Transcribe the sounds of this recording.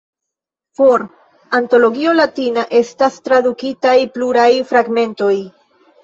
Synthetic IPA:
fo̞ɾ | anto̞lo̞ɡio̞latinaʔe̞stastɾadukitajpluɾajfɾaɡme̞nto̞j

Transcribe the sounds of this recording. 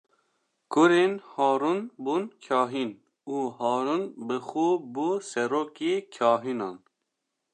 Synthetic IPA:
kʊɾeːnhɑːɾunbunkʰɑːɦin | uːɦɑːɾunbɨxuːbusɛɾoːkeːkʰɑːɦinɑːn

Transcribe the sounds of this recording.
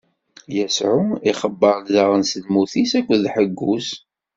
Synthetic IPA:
jəsʕuiχəbːəɾˤlzəʁənsəlmuθisækʷːðħəɡːus

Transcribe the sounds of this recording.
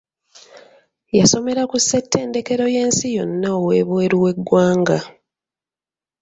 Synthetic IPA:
jaso̞me̞ɾakusːetːe̞ːnde̞ke̞ɾo̞je̞ːnsijo̞nːaowe̞ːβwe̞ːɾuwe̞ɡːwaːŋɡa

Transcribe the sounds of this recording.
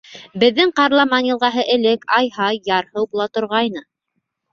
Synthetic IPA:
bɘ̆ðːɘŋqɑɾlˠɑmɑnjɤ̆lˠʁɑɦɤʔɘ̆lɘkɑjhɑjːɑɾhɤwbulˠɑt̪ŏɾʁɑjnɤ

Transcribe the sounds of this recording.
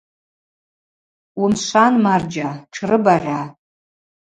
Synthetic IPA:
wumʃʷanmard͡ʒaʈ͡ʂʰrɨbaʁʲʷa

